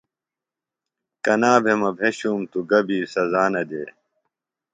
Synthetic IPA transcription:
kɐnaːbʱemɐbʱeɕuːmt̪uɡɐbiːsɐzaːnɐd̪eː

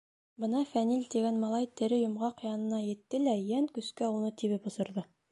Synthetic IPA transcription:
bɤ̆nɑfænilʲt̪iɡænmɑlˠɑjt̪ɘ̆ɾɘjŏmʁɑqjɑnɤ̆nɑjɘ̆t̪ːɘlæjæŋkɵ̆skæunɤt̪iβɘpbŏsɤ̆ɾðɤ

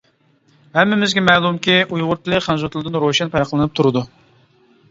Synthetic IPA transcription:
hɛmːɪmɪzɡʲɛmɛlˠumkʲiujʁʊɾt̪ʰɨlˠɨχɛnzut̪lˠɨd̪ɨnɾoʃɛnpʰɛɾqʰəlˠɨnɨp̚t̪ʰuɾɨd̪u

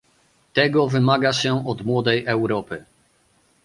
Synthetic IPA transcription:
t̪ɛɡɔvɘmaɡaɕɛɔd̪mwɔd̪ɛjʔɛwɾɔpɘ

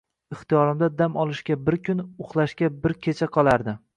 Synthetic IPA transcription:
ɪχt̪ijɒɾɪmd̪ad̪amɒlˠɪʃkʲabɪɾkʲʰʊnʊχlˠaʃkʲabɪɾkʲʰet͡ʃʰaqʰɒlˠaɾd̪ɪ

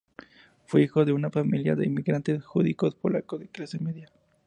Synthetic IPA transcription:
fweixo̞ðe̞unafamilja̰ðe̞̰imiɣɾant̪e̞sxuðiko̞spo̞lakoðe̞klase̞meðja

